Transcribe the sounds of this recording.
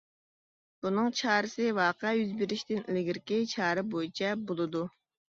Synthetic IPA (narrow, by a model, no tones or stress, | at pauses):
b̥unɨŋt͡ʃʰɑːɾɨsɨwɑːqɛjyzbɪɾiʃt̪ɪnlɪɡʲiɾkʲit͡ʃʰɑːɾɪbojit͡ʃʰɛbolˠɨd̪u